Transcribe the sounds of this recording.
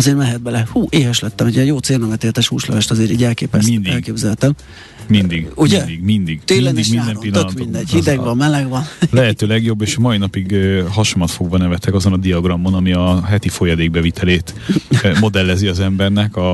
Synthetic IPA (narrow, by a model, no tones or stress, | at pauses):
zeːrmɛɦɛd̪̚bɛlɛhuːʔeːɦɛʃlɛt̪ːɛmɛɟɛjjoːt̪seːlnɛmɛt̪eːlt̪ɛʃhuːʃlɛ̰vɛʃt̪ɒzeːɾḭːɟɛlkeːpɛsnd̪ɛlkeːbzɛlt̪ɛm | mind̪iɡuɟɛd̪iɡmind̪iɡt̪eːlɛd̪iʃminaːd̪ɛmopilːt̪ːøkmnd̪ɛɟ̥hid̪ɛɡvɒmmɛlɛɡvɒnlɛɦɛt̪øːlɛɡjo̞bːeːʃɒmɒinɒpiɡɦɒʃomɒt̪fo̞ɡbɒnɛvɛt̪ɛkɒzo̞nɒd̪iɒɡrɒmːo̞nɒmiɒɦɛt̪ifo̞jɒd̪eːɡ̚bɛvit̪ʰɛleːt̪mo̞d̪ɛlːɛziɒzɛmbɛrnɛkɒ